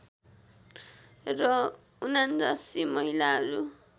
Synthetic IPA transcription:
rʌ | unand͡zasimʌɦilaɦʌɾu

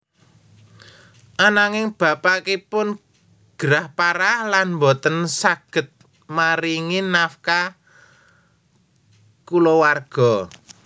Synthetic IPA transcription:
ʔanaŋɪŋb̥ä̤pakipʊn | ɡ̥əɾahpaɾahlanmbɔt̪ənsaɡ̥ə̤t̪̚ | maɾiŋinafka | kulowarɡ̥ɔ̤

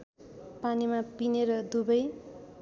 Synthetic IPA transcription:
panimapineɾʌd̪ubʌj

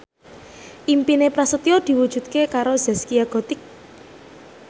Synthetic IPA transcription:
ʔimpinepɾasət̪iod̪̥i̤wud̥ʒ̥ṳt̪̚kekaɾoz̥ɛskiaɡ̥ɔ̤t̪ɪk̚

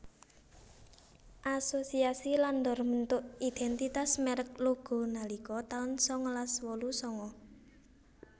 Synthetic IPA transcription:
ʔasosiasiland̪ɔrmənt̪ʊʔid̪̥ɛnt̪it̪asmɛɾək̚luɡ̥o̤nalikɔt̪aʊnsɔŋɔlaswɔlusɔŋɔ

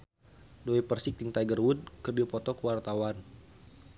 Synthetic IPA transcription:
doipərsɪk̚diŋt̪ajɡərwud̚kərdiɔpɔt̪ɔkəwart̪awan

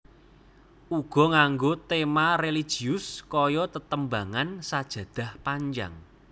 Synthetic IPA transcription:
ʔuɡ̥ɔ̤ŋaŋɡot̪emarelid̥ʒ̥i̤ʊskɔjɔt̪ət̪əmbaŋansad̥ʒ̥ä̤d̪̥a̤hpaɲd͡ʒa̰ŋ

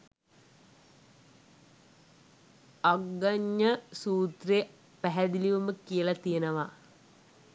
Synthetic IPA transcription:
aɡːaɲːəsuːt̪reː | pæɦæd̪iliʋuməkijəlɐt̪ijenəʋa

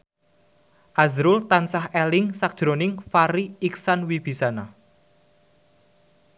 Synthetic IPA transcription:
ʔazɾʊlt̪ansahɛlɪŋsak̚d̥ʒ̥ɾonɪŋfaɾiiksanwib̥i̤sana

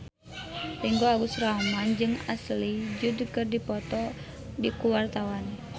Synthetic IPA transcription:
riŋɡoaɡusramand͡ʒɨŋaslid͡ʒudikərdipɔt̪ɔ | dikuwart̪awan

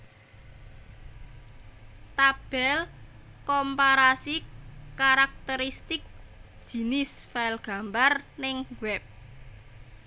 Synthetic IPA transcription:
t̪ab̥ɛl | kɔmpaɾasikaɾak̚t̪əɾist̪ɪk̚d̥ʒ̥i̤nɪsfajlɡ̥a̤mbarnɪŋwɛp̚

